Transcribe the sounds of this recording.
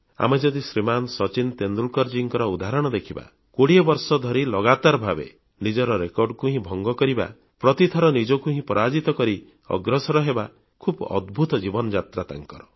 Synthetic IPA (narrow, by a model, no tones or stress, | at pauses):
a̰med͡ʒɔd̪isɾimansɔt͡ʃint̪end̪ulkɔɾd͡ʒiŋkɔɾɔud̪ʱaɾɔɽ̃ɔd̪ekʰiba̰ | koɽiɔbɔɾsɔd̪ʱɔɾilɔɡat̪aɾbʱabḛ | nid͡ʒɔɾɔɾekɔɾɖkuɦĩbʱɔŋɡɔkɔɾiba̰ | pɾɔt̪it̪ʰɔɾɔnid͡ʒɔkuɦĩpɔɾad͡ʒit̪ɔkɔɾi | ɔ̰ɡɾɔsɔɾɔɦeba | kʰubɔ̰d̪bʱut̪ɔd͡ʒibɔnɔd͡ʒat̪ɾat̪a̰ŋkɔɾɔ